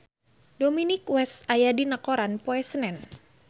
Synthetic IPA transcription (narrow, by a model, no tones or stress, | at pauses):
dominɪkwɛsajadinakoɾanpoɛsənɛn